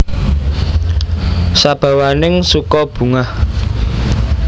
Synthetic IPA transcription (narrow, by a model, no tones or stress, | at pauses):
sab̥ä̤wanɪŋsukɔb̥ṳŋah